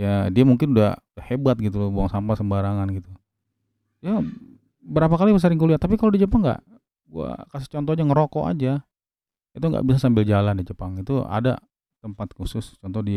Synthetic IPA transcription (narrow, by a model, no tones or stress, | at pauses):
jadiamuŋkɪnudahhebat̪̚ɡit̪ulbuaŋsampasəmbaɾaŋanɡit̪u | ja | bəɾapakalibəs̬əɾɪŋkuliat̪ːapikalodid͡ʒəp̬aŋɡa̰ʔ | ɡua̰kas̬ɪ̥t͡ʃɔnt̪̬ɔhd͡ʒaŋəɾokɔʔa̰d͡ʒa | it̪uŋɡa̰ʔbisasambɪld͡ʒalandid͡ʒəpaŋit̪ua̰da̰ | t̪əmpat̪̚kusʊst͡ʃɔnt̪ɔhdia